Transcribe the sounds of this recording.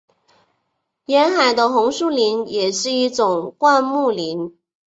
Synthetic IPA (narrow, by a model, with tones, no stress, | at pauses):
jɛ˧˥nxa˨˩ɪd̪ə˦xʊ˧˥ŋʂu˥˩li˧˥njɛ˨˩ʂɻ̩˥˧i˥˩ʈ͡ʂʊ˨˩ŋkwa˥˧nmu˥˩li˧˥n